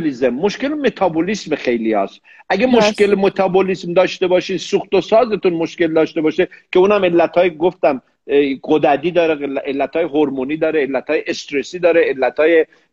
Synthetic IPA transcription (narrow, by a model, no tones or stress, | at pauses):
lizemːoʃkelemet̪ʰɒbolismxe̞jliɒ̰ːs | ʔæɡemoʃkelmot̪ʰɒːbolismd̪ɒːʃt̪e̞bɒːʃiːnsuxt̪osɒːzet̪unmoʃkeld̪ɒːʃt̪e̞bɒːʃekʰe̞uːnæme̞lːæt̪ɒːjɡoft̪æm | ɡod̪æd̪iːd̪ɒːɾeelʔelːæt̪ʰhɒːjeɦoɾmuniːd̪ɒːɾeːlːæt̪ʰhɒːjeʔest̪ɾesiːd̪ɒːɾeelːæt̪ʰhɒːje